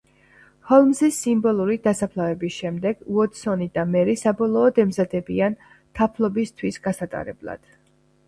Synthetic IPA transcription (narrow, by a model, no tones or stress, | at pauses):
hɔlˠmzisimbɔlˠuɾid̪asapʰlˠavɛbisʃɛmd̪ɛɡwɔt̪sɔnid̪amɛɾisabɔlˠɔːd̪ɛmzad̪ɛbian | t̪ʰapʰlˠɔbist̪ʰwisɡasat̪ʼa̰ɾɛ̰blˠa̰d̪̥